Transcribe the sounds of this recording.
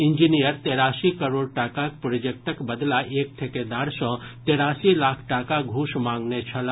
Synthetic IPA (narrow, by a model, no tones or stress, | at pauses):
iɲd͡ʒinijəɾt̪eɾaːsikəɾoːɽʈaːkak̚pɾod͡ʒek̚ʈəkbəd̪laʔeːk̚ʈʰeked̪aːɾsɔ̃t̪eːɾaːsilakʰʈaːkaɡʱuːʃmãːŋɡnet͡ʃʰəla